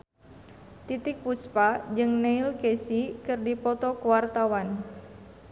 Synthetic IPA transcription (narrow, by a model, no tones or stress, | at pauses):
t̪it̪ɪk̚puspad͡ʒɨŋneilkesikɨrdipɔt̪ɔkuwart̪awan